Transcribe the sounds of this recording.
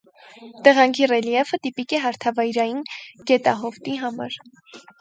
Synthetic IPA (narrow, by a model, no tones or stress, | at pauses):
t̪əʁɑŋkʰirɛlijɛvət̪ipikɛɦɑɾt̪ʰɑvɑjɾɑjinɡɛt̪ɑɦɔft̪iɦɑmɑ̰ɾ